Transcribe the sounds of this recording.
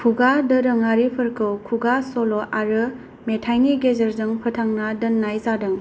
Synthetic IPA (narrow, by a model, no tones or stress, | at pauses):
kʰuɡadɯɾɯŋaɾipʰɯɾkʰɯwkʰuɡasoloʔaɾɯ | metʰajniɡezɐɾzɯŋpʰɯtʰaŋnadɯnːajzadɯŋ